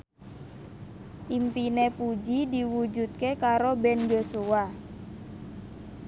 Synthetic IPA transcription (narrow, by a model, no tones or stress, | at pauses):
ʔimpinepud͡ʒidiwud͡ʒut̪̚kekaɾobɛnd͡ʒosuwa